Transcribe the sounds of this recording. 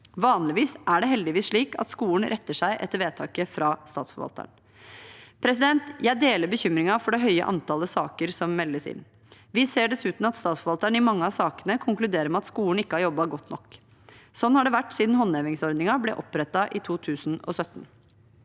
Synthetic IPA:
ʋɑːnlɪʋiːsʔæɖɛɦɛld̪ɪʋiːsʂɭiːkɑ̰t̪skuːən̩ɾʔɛt̪ːəʂæɪʔɛ̰t̪ːəɾʋeːt̪ʰɑːkəfɾɑst̪ɑːt̪sfɔ̰ʋɑ̰lt̪ə̰ɳ | pʰɾɛs̬ɪd̪ɛnt̪jæɪd̪eːləɾbəçʏmɾɪŋɑfɔɖɛɦœʏə̰ʔɑ̰nt̪ʰɑːləsɑːkəɾsɔmːɛlːəsɪ̰nː | ʋɪseːɖɛsʉːt̪n̩ɑt̪st̪ɑːt̪sfɔʋɑlt̪əɳɪmɑŋːəɑsɑːkənəkʰʊŋklʉd̪eːɾəɾmɛɑt̪skuːəɳ̩ɪkːəhɑɾjɔbːɑɡɔt̪ːnɔk | sɔnːhɑɖɛʋæʈːsiːd̪n̩hɔnːɛʋɪŋsɔɾd̪nɪŋɑblɛʔɔpːɾɛt̪ːɑʔɪt̪ʰuːt̪ʰʉːsn̩ɔ̰sœt̪ːn

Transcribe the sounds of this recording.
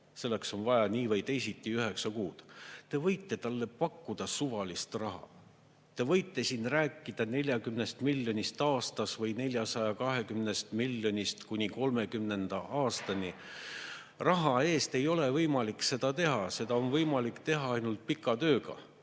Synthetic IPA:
se̞lːe̞kso̞nvɑjɑniːvɤjt̪e̞jsit̪ˑːiyɦe̞ksɑkuːd̪̥t̪e̞vɤ̞jt̪ːˑe̞t̪ɑlːe̞pɑkːud̪̥ɑsuvɑlist̪rɑɦɑ̰ | t̪e̞vɤ̞jt̪ːˑe̞siːnræːkːˑid̪̥ɑne̞lʲjɑkymne̞st̪milʲːjo̞nʲist̪ɑːst̪ɑsvɤjnelʲjɑsɑjɑkɑɦe̞kymne̞st̪milʲːo̞nʲist̪kunʲiko̞lme̞kymne̞nd̪̥ɑʔɑːst̪ɑnʲi | rɑɦɑe̞ːst̪e̞jo̞le̞vɤjmɑlikse̞d̪̥ɑt̪e̞ɦɑse̞d̪ɑonvɤjmɑlikt̪e̞ɦɑɑjnult̪̚pikːˑɑt̪ø̞ːɡɑ̰

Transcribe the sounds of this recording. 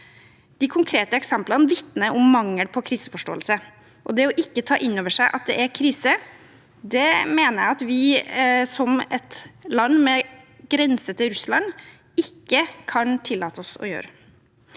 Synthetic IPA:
d̪̥ɪkʰʊŋkʰɾeːt̪əɛksɛmplənʋɪt̪nəʔʊmːɑŋːəlpʰɔkʰɾiːsəfɔʂʈo̰ːəlsə | ʔɔd̪ɛɔʔɪkːət̪ʰɑ̰ːʔɪnːoːʋəʂæɪʔɑ̰t̪̚d̪ɛʔæɾkʰɾiːsə | d̪ɛmeːnəjæɑt̪ʋɪsɔmɛt̪lɑnːmɛ | ɡɾɛnsət̪ʰɪlɾʉslɑn | ɪkːəkʰɑnt̪ʰɪlːɑːt̪əɔsɔ̰jø̰ːɾə

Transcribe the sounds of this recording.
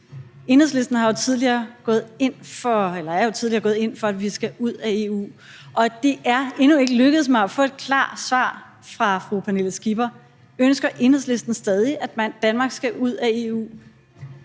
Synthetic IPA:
e̝nheð̰ˠle̝sd̥n̩hɑ̈jo̝t͡sʰið̞ˠliɐːɡ̥ɔ̽ːð̩ˠe̝n̰fɒ̽elɐæɐjo̝t͡sʰiðˠliɐɡɔ̽ːð̩ˠe̝n̰fɒ̽æd̥ʋisɡ̥æʔuð̞̰ˠæe̝ṵː | ʔɒ̽d̥e̝ʔæɐe̝nue̝ɡ̥əløɡ̥əð̩ˠs̬mëæfɔ̰̽ːe̝d̥̚kʰlɑ̰̈ːsʋɑ̰̈ː | fʁɑ̈fʁupʰæne̝ləsɡ̥ib̥ɐ | ønsɡ̥ɐʔe̝nheð̰ˠsle̝sd̥n̩sd̥ɛːð̞ˠiʔæd̥mænd̥ænmɑ̈ːɡ̥sɡ̥æʔuð̞̰ˠæe̝ṵː

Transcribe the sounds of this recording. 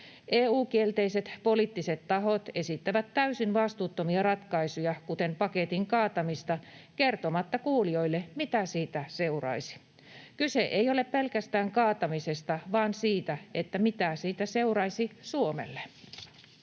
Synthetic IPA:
ʔeːuːkielt̪eiset̪poliːt̪ːiset̪tɑɦot̪e̞sit̪ːæʋæt̪tæysinʋɑst̪uːt̪ːomiɑrɑt̪kɑisujɑkut̪empɑket̪iŋkɑːt̪ɑmist̪ɑkert̪omɑt̪ːɑkuːlio̞ilːemit̪æsiːt̪æseurɑ̰isi̥ | kyseʔeijoleppelkæst̪æːŋkɑːt̪ɑmisest̪ɑʋɑːnsiːt̪æet̪ːæmit̪æsiːt̪æseurɑisisuomḛlːe

